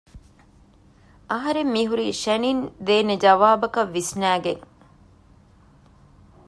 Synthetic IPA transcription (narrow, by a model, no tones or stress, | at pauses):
ɐɦɐɾemːiɦuɾiʃænind̪eːned͡ʒɐʋaːbɐkɐʋːisnæːɡeŋ